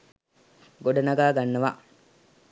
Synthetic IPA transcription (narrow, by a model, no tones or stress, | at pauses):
ɡoɖɐnɐɡaːɡanːəʋa̰